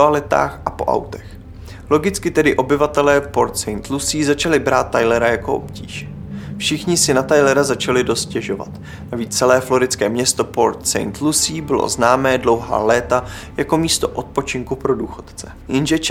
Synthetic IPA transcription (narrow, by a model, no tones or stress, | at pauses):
alɪt̪a̰ːxʔapo̞̰ʔa̰wt̪ɛ̥x | lo̞ɡɪt͡skɪt̪ɛdɪʔo̞bɪvat̪ɛlɛːpoɾt̪sɛjnt̪lusiːzat͡ʃalɪbɾaːt̪̚ːajlɛɾajako̞ʔo̰pcḭːʃ | fʃɪxɲɪsɪnat̪ajlɛɾazat͡ʃalɪdo̞st̪̚cɛʒo̞va̰t̪ | naviːt͡st͡sɛlɛːflo̞ɾɪt͡skɛːmɲɛst̪o̞po̞ɾt̪sɛ̰jnt̪lusiːbɪlo̰znaːmɛːdlo̞wɦa̰ːlɛːt̪a | jako̞miːst̪o̞ʔo̞t̪̚po̞t͡ʃɪŋkupɾo̞duːxo̞t̪t͡sɛ | jɪnʒɛt͡ʃ